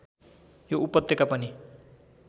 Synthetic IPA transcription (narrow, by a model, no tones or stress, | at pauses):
joʔupʌt̪jʌkapʌni